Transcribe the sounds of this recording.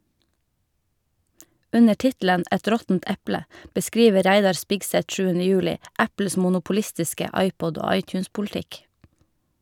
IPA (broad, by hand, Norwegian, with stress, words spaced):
ˈʉnə ˈʈɪtl̩ən ˈɛt ˈɾɔtn̩t ˈɛplə bəˈskɾiːʋə ˈɾæɪdɑɾ ˈspɪɡsɛt ˈʃʉːənə ˈjʉːlɪ ˈʔæpl̩s mʊnʊpʊˈlɪstɪskə ˈɑɪˌpɔd ˈoː ˈɑɪˌtjʉːnspʊlˌtɪk